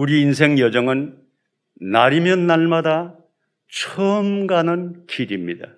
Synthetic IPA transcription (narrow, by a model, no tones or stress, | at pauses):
uɾiːnsʰe̞ŋjʌd͡ʑʌŋɯn | naɾimjʌnːaɭmada | t͡ɕʰʌmɡanɯnkʰiɾimɲida̰